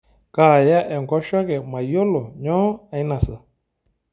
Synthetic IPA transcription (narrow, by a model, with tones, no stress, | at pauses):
kaː˨ja˦ʔɛ˨ŋ˨ɡɔ˦ʃɔ˦kɛ˨mã˨jo˦lo˨ɲɔ̃˦a˨i˦nã˨sə˨